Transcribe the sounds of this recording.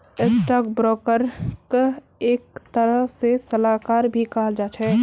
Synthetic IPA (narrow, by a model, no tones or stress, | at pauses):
esʈaːkbɾɔːkəɾk | eːk̚t̪əɾəsesəlaːkaːɾbʱikaːld͡ʒaːt͡ʃʰɛ